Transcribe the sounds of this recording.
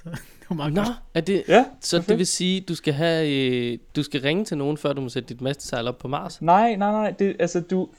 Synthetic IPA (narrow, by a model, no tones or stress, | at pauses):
mɑnɒæɐd̥e̝æsɒ̽deʋe̝siːd̥usɡ̥æɦæ | d̥usɡ̥æʁeŋət͡sʰe̝lno̝ːn̩fɶɐ̰d̥umɒsed̥əd̥id̥mesd̥ə̥sɑ̈ɪlɒ̽b̥̚pʰɒ̽mɑ̈ːsnɑɪ̰nɑɪnɑɪ̰d̥e̝ʔælsəd̥u